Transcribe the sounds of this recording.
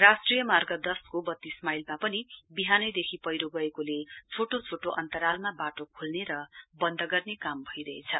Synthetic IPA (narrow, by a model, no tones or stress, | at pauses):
rasʈrijʌmarɡʌd̪ʌskobʌt̪ːismajlmapʌnibiɦanʌjd̪ekʰipʌjɾoɡʌekolet͡sʰoʈot͡sʰoʈoʔʌnt̪ʌɾalmabaʈokʰulneɾʌbʌnd̪ʱʌɡʌrnekambʱʌjɾʌet͡sʰʌ̰